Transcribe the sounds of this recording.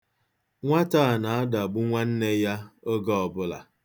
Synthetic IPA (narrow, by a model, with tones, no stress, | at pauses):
ŋʷa˦taː˦˨na˨a˦da˨ɡ͡bʊ˦ŋʷa˦n̩˦ne˦ja˦o˦ɡɔ˦ɔ˨bʊ˦la̰˨